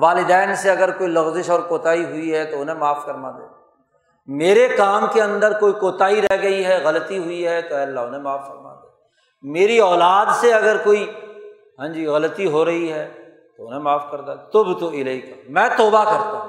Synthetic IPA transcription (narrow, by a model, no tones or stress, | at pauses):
ʋaːlɪd̪ɛːnseɐɡəɾkoːilɐɣzɪʃɔːɾkoːt̪aːiɦʊiɦɛt̪oʊnɦẽmaːfkɐɾmad̪ḛːd̪a | meːɾekaːmkeɐ̃nd̪əɾkoːikoːt̪aːiɾɛɦɡɐiɦɛɣɐlət̪iɦʊiɦɛt̪oɛɐlːaʊnɦẽmaːfkɐɾma̰d̪eː | meːɾiɔːlaːd̪seɐɡəɾkoːi | ɦãːd͡ʒiːɣɐlət̪iɦoɾɐɦiɦɛ | t̪oʊnẽmaːfkɐɾd̪at̪ʊbt̪oɪlɐikamɛ̃ːt̪ɔːbakɐɾt̪aɦũ